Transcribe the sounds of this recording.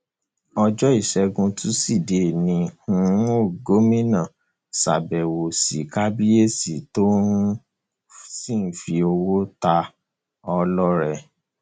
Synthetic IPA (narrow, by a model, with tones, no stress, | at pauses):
ɔ˧d͡ʒɔ˦i˦˨ʃɛ˧ɡũ˧tʰũ˦si˦˨de˨nĩ˧ũ˦˧˦o˦˨ɡo˨˦mĩ˦nã˨ | sa̰˨bɛ˨wo˨sḭ˨ka˦bi˦e˦˨si˨to˦ | si˦˨n̩˦fi˧o˧wo˦ta˧ | ɔ˧lɔ˦ɾɛ˦˨